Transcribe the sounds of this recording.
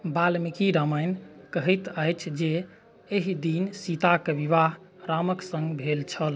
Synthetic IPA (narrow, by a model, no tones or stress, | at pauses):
balmikiɾəməɪnkəɦɛt̪əjt͡ʃʰd͡ʒe | eɦid̪insit̪akeʋiβaɦ | ɾaməksəŋɡbʱelt͡ʃʰəl